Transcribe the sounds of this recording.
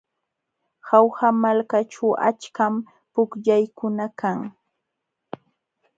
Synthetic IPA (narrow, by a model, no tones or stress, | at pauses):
xawhamalkaʈ͡ʂawʔa̰t͡ʃkam | pʊkʎajkʊnakaŋ